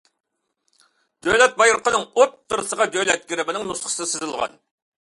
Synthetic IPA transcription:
d̪̥øjlɛt̪̚bɑjɾʊqʰənɨŋott̪ʰːɨɾɨsəʁɑd̪øjlɛt̪̚ɡʲiɾɪbɪnɪŋnusχə̥ssɪzɨlˠʁɑ̰n

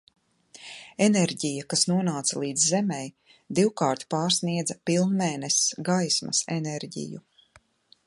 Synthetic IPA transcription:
ɛnɛɾɟijakasnuɔnaːt̪salˠiːd̪zzɛmɛj | d̪iwkaːɾt̪paːɾsniɛd̪zɐpilˠnmɛːnɛsɡajsmɐ̰sɛnɛɾɟḭjṵ

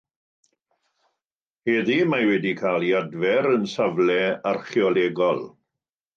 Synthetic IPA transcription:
hɛðimawɛdikʰaːlˠiadvɛɾənsavlɛarχjɔlɛːɡɔlˠ

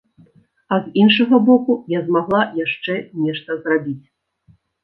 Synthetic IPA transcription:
ɐzinʂɐɣɐbɔkujazmaɣlˠajaʂt͡ʂɛnʲɛʂt̪ɐzrabʲit͡sʲ

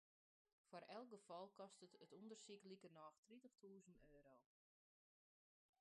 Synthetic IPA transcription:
faɾɛlˠk̚ɡəfɔlˠkɔstətətundərsiklikənɔːxtritəxtʰuːzənøːɾow

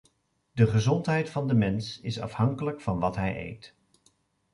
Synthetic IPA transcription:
dəχəzɔntɦɛjtfɑndəmɛnsɪsɑ̰fhɑŋkələkfɑnʋɑtɦɛjʔḛjt

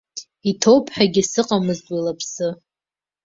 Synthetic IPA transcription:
itʰowpʰʼħaɡʲɪsɨqʼamɨztʼalapʰsɨ

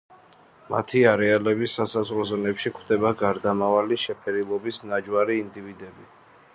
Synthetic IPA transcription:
ma̰t̪ʰiaɾɛalɛbisːasazʁɾɔzɔnɛpʃikʰwd̪ɛbaɡaɾd̪amavaliʃɛpʰɛɾilˠɔbisnad͡ʒwaɾiːnd̪ivid̪ɛbi

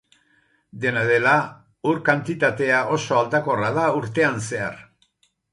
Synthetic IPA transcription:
d̪e̞nað̞e̞la | uɾkant̪it̪at̪e̞aʔo̞so̞ald̪ako̞rað̞auɾt̪e̞anse̞a̰r

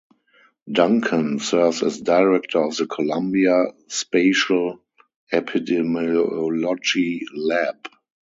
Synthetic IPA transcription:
dãŋkʰə̃nsɜ˞vsɛsdaɪɹɛk̚tʰə˞ɔfðəkʰɔlãmbiaspeɪʃəl | ɛpʰidɛmɔɔlɔd͡ʒilɛb

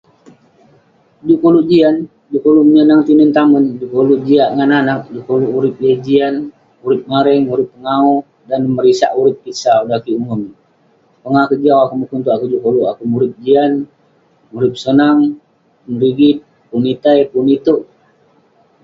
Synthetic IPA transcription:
d͡ʒuʔkoluʔd͡ʒian | d͡ʒukoluʔməɲənaŋt̪inənt̪amənd͡ʒukoluʔd͡ʒiaʔŋananak̚d͡ʒukoluʔuɾɪp̚jad͡ʒian | uɾɪp̚maɾɛŋmuɾɪpːəŋau | danməɾisa̰ʔuɾɪp̚kisaudakiumum | pəŋakəd͡ʒawakuməkunt̪uʔakud͡ʒukoluʔakumuɾɪp̚d͡ʒian | muɾɪp̚sənaŋ | unɾiɡit̪̚ | punit̪ajpunit̪uʔ

